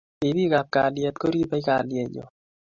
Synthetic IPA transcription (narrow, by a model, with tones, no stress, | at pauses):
i˨bi˦ka˨p̚ka˨ljɛ˨t̪̚ko˦ɾi˦ba˦i˦ka˨ljɛ˨ɲo̰˨